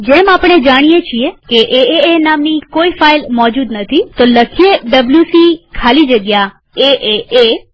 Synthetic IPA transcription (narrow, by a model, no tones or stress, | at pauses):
d͡ʒemapəɳ̃ed͡ʒaɽ̃ijet͡ʃʰiekeʔeeenamnikoifailmɔd͡ʒud̪nət̪ʰit̪oləkʰieɖəbljusikʰalid͡ʒəɡja | eʔee